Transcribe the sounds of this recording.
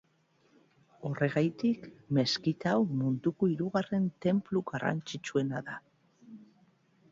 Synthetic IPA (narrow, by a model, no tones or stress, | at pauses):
o̞re̞ɣajt̪ikme̞skit̪awmund̪ukoiɾuɣare̞nt̪e̞mpluɣara̰nt͡ʃit͡ʃue̞naða